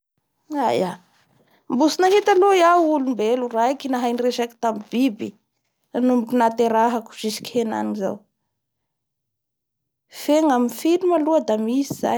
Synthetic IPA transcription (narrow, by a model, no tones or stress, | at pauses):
aja | mbusinaɦit̪alojaulumbeluraikinaɦajnireʃaki̥t̪amibibi | anumbikunat̪eɾaɦaku̥ʃisi̥kʲhena̰niŋiza̰w | feŋaminfilumaluəd̪amisiz̥a̰